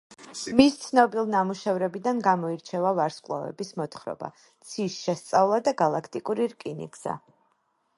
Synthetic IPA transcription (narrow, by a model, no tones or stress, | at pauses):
mist̪sʰnɔbilˠnamuʃɛvɾɛbid̪anɡamɔiɾt͡ʃʰɛvavaɾsqʼlˠa̰vɛ̰bismɔt̪ʰχɾɔ̰ba̰ | t̪sʰisʃɛst̪sʼavlˠad̪aɡalˠakʰt̪ʼikʼuɾiɾkʼinḭɡz̥a̰